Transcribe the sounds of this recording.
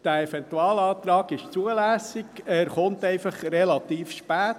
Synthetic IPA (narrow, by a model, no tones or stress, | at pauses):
d̥æɛfɛntuɑːlɑːt̪ɾɑːɡɪʃt͡suəlæsɪɡɛɾχʊntɛɪfɑχrɛlɑt̪iːfʃpæːt